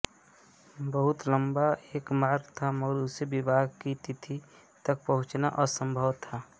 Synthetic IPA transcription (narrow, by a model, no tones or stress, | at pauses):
bəɦʊt̪ləmbaeːkmaːɾɡt̪ʰaməɡəɾʊsebɪbʱaːɡkit̪it̪ʰi | t̪ək̚pəɦʊ̃t͡ʃna̰ʔɔsə̃mbʱəwt̪ʰa